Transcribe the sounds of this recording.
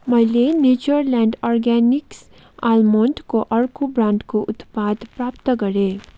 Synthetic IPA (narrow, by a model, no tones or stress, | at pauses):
mɐɦɪlenuːd͡ʒəɾlɛ̃ːɳɖɔːɾɡɛːnɪks | aːlmõːɳʈkoʔɐɾkubɾãːɳɖkoʔʊt̪paːd̪pɾaːpt̪əkɐɾeː